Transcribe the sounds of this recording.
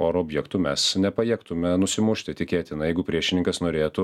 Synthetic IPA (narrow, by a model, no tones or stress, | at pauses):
oːɾoːbʲjɛkt̪ʊmʲɛsnʲɛpɐjɛːkt̪ʊmʲɛnʊsʲɪmʊʃʲt̪ʲɪt̪ʲɪkʲeːt̪ʲɪnɐjɛɪɡʊpʲɾʲiɛʃʲɪnʲɪŋkɐsnoːɾʲeːt̪ʊ